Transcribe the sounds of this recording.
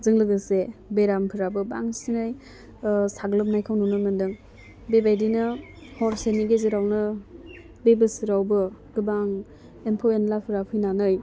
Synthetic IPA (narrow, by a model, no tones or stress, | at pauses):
zɯŋlɯɡɯsebeɾampʰɯɾabɯbaŋsinɯj | saɡlɯp̚najkʰawnunɯmɯndɯŋ | bebajdinɯ | hɔɾseniɡezɯɾawnɯ | bebɯsɯɾawbɯɡ̥ɯbaŋ | empʰowenlapʰɯɾapʰɯjnanɯj